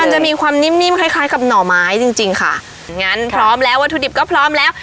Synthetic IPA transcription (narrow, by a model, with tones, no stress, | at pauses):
ma˧t͡ɕa˨˩ʔmiː˧kʰwaː˧mni˦˥mni˦˥˨mkʰa˧˥˩jkʰaː˦˥jka˨˩p̚nɔː˨˩maː˦˥jt͡ɕi˧ŋt͡ɕi˧ŋkʰa̰˥˩ | nŋa˦˥˨npʰɾɔː˦˥mlɛː˦˥wa˦t̪ʰːuː˧di˨˩p̚kɔː˥˩pʰɾɔː˦˥mlɛː˦˥w